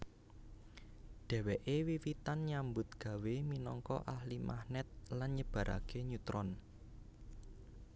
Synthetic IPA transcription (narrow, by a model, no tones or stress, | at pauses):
ɖ̥ɛ̤wɛʔewiwit̪anɲambʊt̪̚ɡ̥ä̤weminɔŋkɔ̰ʔahlimʔa̰hnɛt̪̚lanɲəb̥ä̤ɾa̰ɡ̥eɲut̪ɾɔn